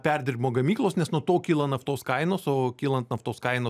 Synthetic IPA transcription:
pʲɛrʲd̪ʲɪɾʲbʲɪmoːɡɐmʲiːklˠoːsnʲɛsnuɔt̪oːkʲiːlˠɐnɐft̪oːskɐɪnoːsoːkʲiːlˠɐnt̪nɐft̪oːskɐɪnoː

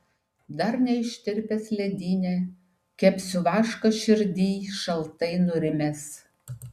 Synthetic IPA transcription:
d̪ɐɾnʲɛɪʃʲt̪ʲɪɾʲpʲɛsʲlʲɛd̪ʲiːnʲe | kʲɛpʲsʲʊʋɑːʃkɐʃʲɪɾʲd̪ʲiːʃɐlˠt̪ɐɪnʊɾʲɪmʲɛs

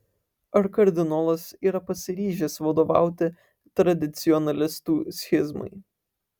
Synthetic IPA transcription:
ɐɾkɐɾʲd̪ʲɪnɔlˠɐsiːɾɐpɐsʲɪɾʲiːʒʲɛsʋɐd̪oːʋɑ̰ˑʊt̪ʲɪ | t̪ɾɐd̪ʲɪt̪sʲɪɔnɐlʲɪst̪uːsʲxʲɪzmɐ̰ɪ

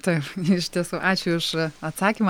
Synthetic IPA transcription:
t̪ɐɪpɪʃʲt̪ʲiɛsuːʔɑːt͡ʃʲʊʊʃɐt̪sɑːkʲim

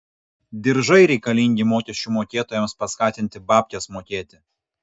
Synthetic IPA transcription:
d̪ʲɪɾʒɐɪɾʲɛɪkɐlʲɪŋʲɡʲɪmoːkʲɛsʲt͡ʃʲuːˑmoːkʲeːt̪oːjɛmspɐskɑːt̪ʲɪnʲt̪ʲɪbɑːpʲkʲesmoːkʲeːt̪ʲɪ

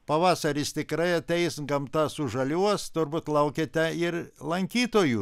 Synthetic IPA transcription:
pɐʋɑːsɐɾʲɪst̪ʲɪkɾɐɪɐt̪ʲɛɪsɡɐmt̪ɑsʊʒɐlʲuɔst̪ʊrbut̪lˠɐʊkʲet̪ʲɛɪrlˠɐŋʲkʲiːt̪oːju

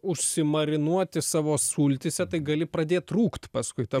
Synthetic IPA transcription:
ʊʃʲsʲɪmɐɾʲɪnuɔt̪ʲɪsɑːʋoːsuːlʲt̪ʲɪsʲɛt̪ɐɪɡɐlʲɪpɾɐd̪ʲeːt̪̚t̪ɾuːkt̪ʲpɐskʊɪt̪ɐ

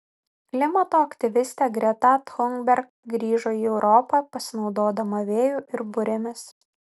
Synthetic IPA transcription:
klʲɪmɐt̪oːɐkt̪ʲɪʋʲɪsʲt̪ʲæːɡɾʲɛt̪ɑt̪xɔŋɡbʲɛɾk | ɡɾʲiːʒoːiːɛʊɾʔɔːpɑpɐsʲɪnɒʊd̪oːd̪ɐmɐʋʲeːjuːʔɪɾbʊɾʲɛmʲɪs

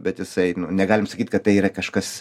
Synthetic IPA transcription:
bʲɛt̪jɪsɐɪnʊnʲɛɡɑːlʲɪmsɐkʲiːt̪ʲkɐtt̪ɐɪiːɾɐkɐʃkɐs

